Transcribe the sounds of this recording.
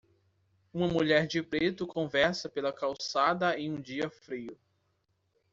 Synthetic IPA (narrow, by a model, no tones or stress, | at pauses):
ũmɐmuʎɛɾd͡ʒɪpɾet̪ʊkõvɛɾsɐpelɐkawsad̪ɐẽj̃ũd͡ʒiɐfɾiʊ